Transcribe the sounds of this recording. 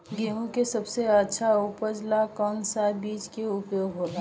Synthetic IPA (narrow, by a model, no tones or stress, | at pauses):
ɡeɦũkesəbseətːʃʰaupəd͡ʒlakənsabiːt͡ʃkeʊpjoɡɦoɾa